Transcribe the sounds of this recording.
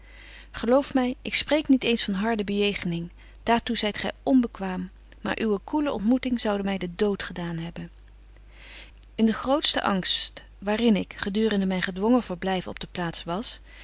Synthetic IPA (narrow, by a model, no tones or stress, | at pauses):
χəlowfmɛjɪksprejknitejnsfɑnɦɑɹdəbəjejχənɪŋ | d̥aːɹtuzɛjtχɛ̰jɔnbəkʋaːmː | a̰ːɹʔyʋəkuləɔ̰ntmutɪŋzɑwdəmɛjdədowtχədaːnɦɛbən | ɪndəχrowtstə̰ʔɑ̰ŋst | ʋaːrɪnɪkχədyːrəndəmɛjnχədʋɔŋəvəɹblɛjvəɔ̰b̚dəplaːtsʋɑs